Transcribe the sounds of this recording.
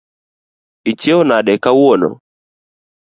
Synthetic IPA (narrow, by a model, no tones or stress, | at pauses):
it͡ʃjeonaɗɛkawono̰